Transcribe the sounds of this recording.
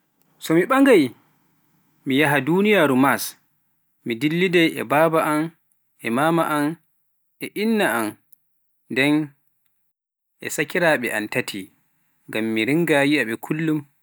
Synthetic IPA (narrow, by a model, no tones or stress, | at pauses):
sɔmiɓaŋɡaj | mijaɦadunijaːɾumas | midilːidɛjɛ̰baːbaʔan | ʔɛmaːmaʔan | ɛʔinːaan | dɛn | ʔɛ̰sakiɾaɓɛʔa̰ntatʰi | ŋɡamːiɾiŋɡajiaɓɛkʰulːum